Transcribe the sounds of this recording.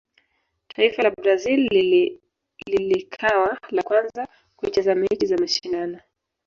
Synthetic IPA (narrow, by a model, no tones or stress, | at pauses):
tʰaifalabɾazil | lilikʰawalakwanza | kuit͡ʃazamɛt͡ʃizamaʃindana